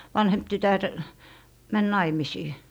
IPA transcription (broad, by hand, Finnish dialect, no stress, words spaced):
ʋɑnhemp tytær mæn nɑimisiː